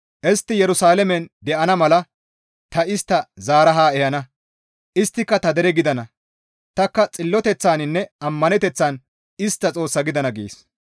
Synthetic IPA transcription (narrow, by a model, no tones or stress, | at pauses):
ʔɛst̪ːɪjɛɾʊsaːlɛmɛnd̪ɛʔɐnɐmɐlɐ | t̪ɐɪst̪ːɐzaːɾɐɦaːɛjɐnɐ | ʔɪst̪ːɪkːɐt̪ɐd̪ɛɾɛɡɪd̪ɐnɐ | t̪ɐkːɐt͡sʼɪlːɔt̪ɛt͡sːaːnɪnːɛɐmːɐnɛt̪ɛt͡sːaːn | ɪst̪ːɐt͡sʼo̞ːsːɐɡɪd̪ɐnɐɡḛːs